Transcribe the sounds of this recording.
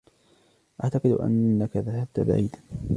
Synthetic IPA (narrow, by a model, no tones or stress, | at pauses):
ʔaʕt̪ɑqɨd̪ʔa̰nːakaðaɦab̚t̪aba̰ʕḭːd̪a